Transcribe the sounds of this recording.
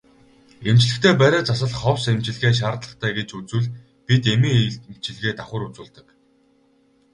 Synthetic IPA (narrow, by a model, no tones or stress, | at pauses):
emt͡ɕ̆ɮɘ̆xt̪ʰeːpæɾʲæːt͡sasə̆ɮχɔwsemt͡ɕɪ̆ɮɣeːʃ̬aːrt̪ɮə̆χt̪ʰæːɡet͡ɕut͡sŭɮ | pit̪emĭŋm̥t͡ɕɪ̆ɮɣeːt̪aχʲʊ̆rɾut͡suːɮt̪ə̆k